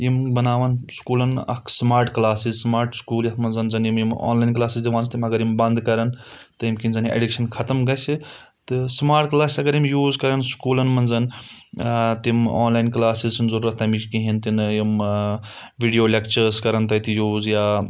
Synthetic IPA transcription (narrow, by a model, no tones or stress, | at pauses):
jimbɐnaːʋɐnskuːlɐnɐ̰kʰsmaːɾʈklaːsizsmaːɾʈskuːljɐt̪ʰmɐnzɐnzɐnjimjimo̰ːnlaːjnklaːsizd̪ʲiʋaːnsʰt̪imɐɡɐɾjimbɐnd̪kɐɾɐnt̪ɨjimkinzɐniʔḛɖikʃɐnkʰɐt̪ɐmɡɐsi | t̪ɨsmaːɾʈklaːsisɐɡɐɾimjuːzkɐɾɐnskuːlɐnmɐnzɐn | t̪imo̰ːnlaːjnklaːsizsnzɐɾuːɾɐt̪ʰːɐmikiɦint̪injim | ʋiɖijoːlʲekt͡ʃɐɾskɐɾɐnt̪ɐt̪ijuːzjaː